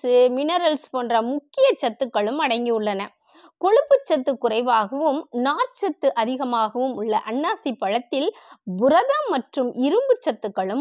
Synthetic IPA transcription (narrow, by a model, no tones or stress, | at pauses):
ɯmɪnɐɾɐlspoːndrɐmʊkːɪjɐt͡ʃːɐt̪ːɯkːɐɭɯmɐɽɐɪŋɡiɯɭːɐnɐ | kɔɻɯpːɯt͡ʃːɐt̪ːɯkːʊrɐɪʋaːɣɐʋɯmnaːɾt͡ʃɐt̪ːɯʔɐðɪɣɐmaːɣɐʋɯmʊɭːɐʔɐɳːaːsipːɐɻɐt̪ːɪlbʊɾɐðɐmɐʈrɯmʔɪɾɯmbɯt͡ʃːɐt̪ːɯkːɐɭɯm